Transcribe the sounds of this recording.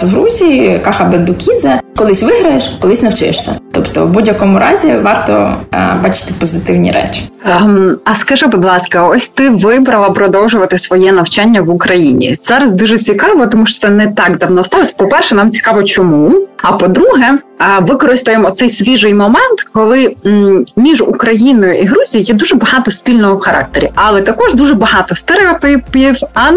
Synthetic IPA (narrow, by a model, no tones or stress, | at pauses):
wɾuzʲikɑxɐbɛd̪ʊkʲid̪zɛkɔlˠɪsʲʋɪɦɾɐjeʃkɔlˠɪsʲnɐwt͡ʃɪ̰jeʃsʲɐ̰t̪ɔpt̪ɔ̰wbudʲjɐkɔmʊɾɑ̰zʲiʋɑrt̪ɔ̰bɑt͡ʃɪ̥t̪ɪpɔzɪt̪ɪwnʲḭɾɛ̰t͡ʃʲi̥ | ɐskɐʒɪbʊd̪lˠɑskɐɔsʲt̪ɪʋɪbɾɐlˠɐpɾɔd̪ɔwʒʊʋɐt̪ɪsʋɔjɛnɐwt͡ʃanʲːɐʋʊkɾɐjinʲḭz̥ɑɾɐzd̪uʒɛt͡sʲikɑʋɔt̪ɔmuʃɔ̥sɛnɛt̪ɑɡd̪ɐwnɔst̪ɑlˠɔsʲpɔpɛrʃɛnɑmt͡sʲi̥kɑʋɔt͡ʃɔmuɐpɔd̪ɾuɦɛʋɪkɔɾɪst̪ɔjemɔt̪sɛjsʲʋʲiʒɪjmɔmɛnt̪kɔlˠɪ | mʲiʒukɾɐjinɔjʊʔiɦɾuzʲijijɛd̪uʒɛbɐɦɑt̪ɔspʲilʲnɔɦɔxɐɾʔɑ̰k̚t̪eɾʲiʔɐlˠɛt̪ɐkɔʒd̪uʒɛbɐɦɑt̪ɔst̪eɾeɐt̪ɪiwɐ